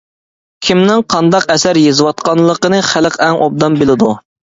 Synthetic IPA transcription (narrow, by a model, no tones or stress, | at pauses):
kʲʰimnɪŋqʰɑnd̪ɑqɛsæɾjezɨwɑt̪̚qɑnlˠəqənɨχæləqɛŋʔob̚d̪ɑmbelɪd̪u